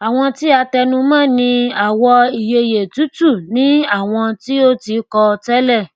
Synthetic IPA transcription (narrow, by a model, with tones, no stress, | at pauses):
a˨w̃ɔ̃˧ti˦a˧tɛ˧nũ˧mãː˦˨nĩ˧a˨wɔ˧i˨je˨je˨tu˨˦tu˦˨nĩ˨˦a˦˨w̃ɔ̃˧ti˦o˦ti˧kɔ˧tɛ˦lɛ˦˨